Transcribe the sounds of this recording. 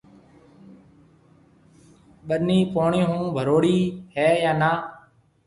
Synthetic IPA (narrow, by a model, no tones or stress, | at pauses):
ɓəniːpoːɳiːɦũːbʱəɾoːɽiːhɛːjãːnaː